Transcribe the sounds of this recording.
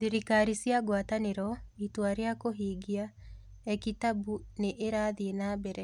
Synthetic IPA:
diɾikaɾisjaɡwataneɾɔitwaɾeakoɦeːɡia | ɛkitabuneʔːɾaðienabɛɾɛ

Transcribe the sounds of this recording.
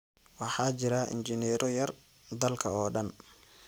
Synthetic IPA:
wɑħɑːt͡ʃɪɾaʔɪ̰nt͡ʃɪnɛːɾɔjɐr | d̪ɐlkʰɐɔːɖɐn

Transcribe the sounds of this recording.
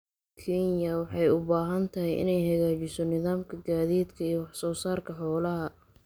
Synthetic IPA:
kʰiːnjɐwɑħɑjʊbaːɦɐnt̪ʰɐɦɪjʔɪ̰nɛjɦɐɣaːt͡ʃɪsɔnɪðaːmkʰɐɡaːðiːd̪kʰɐiːjɔwɑħsɔːsaːrkʰɐħɔːlɐɦɐ

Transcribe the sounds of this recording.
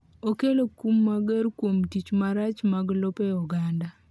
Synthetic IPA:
okelokumːaɡɛɾkwomtit͡ʃmaɾat͡ʃmaɡlɔpɛɔɡanda

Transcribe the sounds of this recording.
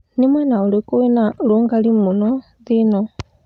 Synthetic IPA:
nimwanaolekowenaloŋɡalimunɔ | ðinɔ

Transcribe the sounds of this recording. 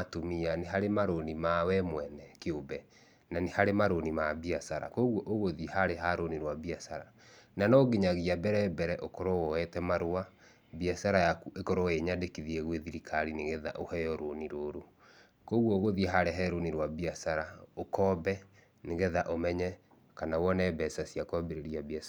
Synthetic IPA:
atomianeɦaɾemaɾonimawɛmwɛnɛkeobɛ | nanehaɾemaɾonimabiasaɾa̰koɣwɔʔoɣoðihaɾeɦaɾoniɾwabiasaɾa | nanɔɡeɲaɣiabɛɾɛbɛɾɛʔokɔɾɔwɔɛtɛmaɾowa | biasaɾajakuʔekɔɾɔeɲadekiðiɛɣweðiɾikʰaɾineɣeða̰ʔohɛjɔɾoniɾoːɾo | koɣwɔoɣoðiɦaɾeɦɛɾoniɾwabiasaɾaokɔːbɛ | neɣeðaʔomɛɲɛ | kanawɔnɛbɛsasiakɔbeɾeɾiabiasa

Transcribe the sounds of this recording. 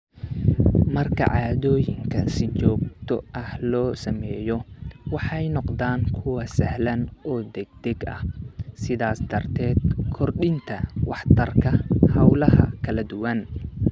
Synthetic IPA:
mɐrkʰɐ̰ʕɑːðɔːjɪŋkʰɐsɪt͡ʃɔːɡ̚t̪ʰɔʔɐhlɔːsɐmɛːjɔwɑħɑjnɔqd̪aːŋkʰʊwɐsɐhlɐnɔːd̪ɛɡ̚d̪̥ɛɡɐ̰hsɪðaːsd̪ɐrt̪ʰɛːd̪kʰɔrɖɪnt̪ʰɐwɑħt̪ʰɐrkʰɐhɐwlɐɦɐ̰kʰɐlɐd̪ʊwɐn

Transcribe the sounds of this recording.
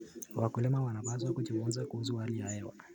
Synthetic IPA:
wakulɛmawanapas̬wakut͡ʃuŋuzakuhusuhalijahɛwa̰

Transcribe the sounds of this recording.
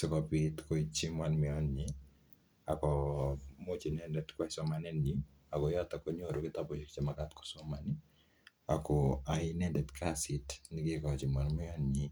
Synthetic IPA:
sɛkɔpitkoit͡ʃimwanmɛɔnɲi | akɔmot͡ʃinɛndɛtkwaisɔmanɛni | akɔjɔtakoɲoɾokɪtapɔt͡ʃikt͡ʃɛmakatkɔ̥sɔmani | akɔaɪnɛndɛtkʰasitnikikɔt͡ʃimanmɪɔnɲi

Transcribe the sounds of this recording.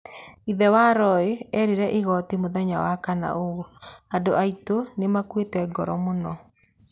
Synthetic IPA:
iðɛwaɾɔeɛɾiɾɛʔiɣɔtimoðɛɲawakana̰oɣoadoʔaitonemakwetɛɡɔɾɔmonɔ

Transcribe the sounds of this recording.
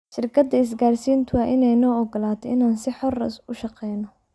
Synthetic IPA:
ʃɪrkʰɐd̪ɐɪs̬ɡaːrsiːnt̪ʰʊɐʔɪnɛjnɔːɔɡɔlaːt̪ʰɔɪnaːnsɪħɔr̰sʊʃɑqɛjnɔ

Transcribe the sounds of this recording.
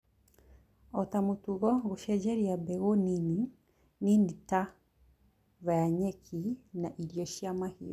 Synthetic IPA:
ɔtamutuɣɔɣuʃɛd͡ʒɛɾiabɛɣɔnini | ninita | βajaɲɛkʰinaʔiljɔʃiamahḭɔ

